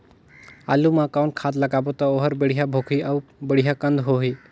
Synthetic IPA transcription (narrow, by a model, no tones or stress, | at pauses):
a̰lumãkawɳʈkʰad̪ləɡabot̪ɔoɦəɾbəɽ̤iɦabʱokʰiawbəɽ̤iɦakə̃nd̪ɦoɦi